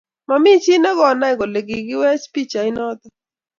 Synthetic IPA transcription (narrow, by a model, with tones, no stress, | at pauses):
ma˨mi˦t͡ʃɪ˦nɛ˦ɡɔ˨na˦ɪ˨ɡɔ˨le˨ɡɪ˨ɡɪ˦wɛ˦spi˦t͡ʃa˨ɪ˦nɔ˦t̪ɔ˨